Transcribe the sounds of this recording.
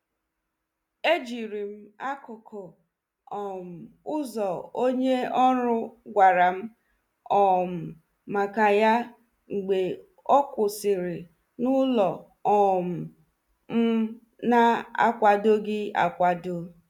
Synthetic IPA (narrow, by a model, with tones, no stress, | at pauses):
e˦d͡ʒi˨ɾi˨m̩˦a˦kʊ˨kʰɔ˨ | ɔ˨m̩˨ʊ˦zɔ˨o˦ɲe˦ɔ˦ɾʊ˦ɡʷa˨ɾa˨m̩˦ | ɔ˨m̩˨ | ma˨ka˨ja˦ | ŋ͡m̩˨ɡ͡be˨ | ɔ˦kʷʊ˨sɪ˨ɾɪ˨ | nʊ˦lɔ˨ | ɔ˨m̩˨ | m̩˦ | na˦a̰˦kʷa˨do˦ɡɪ˦a̰˨kʷa˦do˦